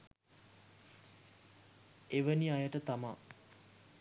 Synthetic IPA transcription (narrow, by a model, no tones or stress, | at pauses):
eʋəniajəʈət̪ama